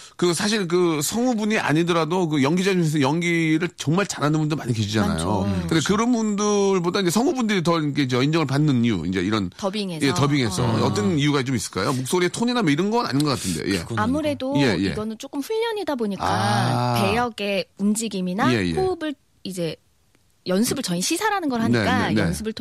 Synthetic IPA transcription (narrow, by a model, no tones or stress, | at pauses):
kɯsʰaɕ̬ʰiɭk̬ɯsʰʌŋubuɲiʔa̰ɲidɯɾadok̬ɯjʌŋɡid͡ʑaoes̬ʰʌjʌŋɡiɾɯɭt͡ɕʌŋmaɭt͡ɕaɾanɯnbundɯɾmaɲikeɕʰid͡ʑana̰jjo̰kʰɯndekɯɾʌnbundɯɭbodaind͡ʑesʰʌŋubundɯɾit̬ʌinkʰe̞iɲd͡ʑeʌind͡ʑʌŋɯɭpanːɯniṵḭnd͡ʑe̞̰iɾʌntʌbiŋejetʌbiŋe̞sʰʌʌt͈ʌnijuɡat͡ɕomis͈ɯ̥ɭk͈ajomok̚s͈oɾietʰoɲinamʌiɾʌnɡʌna̰ɲinɡʌk͈atʰɯndejo̰je̞̰amuɾe̞doje̞je̞̰ɡʌnɯnt͡ɕ͈ok͈ɯmɸuʎːʌɲidaboɲik͈ape̞jʌɡe̞und͡ʑiɡiminaje̞j̰obɯɭ | id͡ʑe̞ | jʌnsʰɯbɯɭt͡ɕʌiɕʰisʰaɾanɯnɡʌɾɦaɲie̞k͈anʌḛnsʰɯbɯɭ